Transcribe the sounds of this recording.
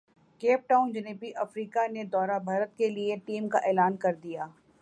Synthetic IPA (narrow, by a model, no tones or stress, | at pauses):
keːp̚ʈaːʊ̃nd͡ʒɪneːpiʔɐfɾiːkaned̪ɔːɾabʱaːɾət̪kelieʈiːmka̰ʔɛːlaːnkɐɾd̪ijaː